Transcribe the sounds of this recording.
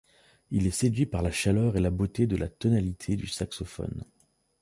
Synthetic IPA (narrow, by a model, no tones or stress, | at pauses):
ilɛsed̪ɥipaʁlaʃalœʁelabot̪ed̪əla̰t̪ɔnalit̪ʰed̪ysaksɔfɔ̰n